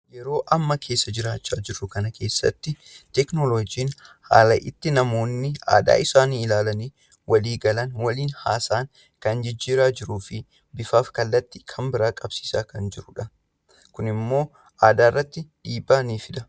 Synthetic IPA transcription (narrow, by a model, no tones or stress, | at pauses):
jɛɾo̞ːʔɐmːɐkʰe̞ːsːɐd͡ʒɪɾaːt͡ʃːaːd͡ʒɪɾːʊkɐnɐkʰe̞ːsːɐ̰t̪ːɪ | t̪ɛknoloːd͡ʒiːnha̰ːlɐʔɪt̪ːɪnɐmo̞ːnːɪa̰ːd̪a̰ːʔɪsaːniːɪlaːlɐniː | wɐliːɡɐlɐnwɐliːnhaːsaːŋ | kɐnd͡ʒɪd͡ʒːiːɾaːd͡ʒɪɾuːfɪ | bɪfaːfkɐlːɐt̪ːɪ̥kʰɐmbɪɾaːkʼɐbsi̥ːsaːkɐnd͡ʒɪɾʊᶑɐ | kʊnɪmːo̞ː | ʔaːd̪aːɪrːɐt̪ːɪᶑiːbːaːniːfɪd̪ɐ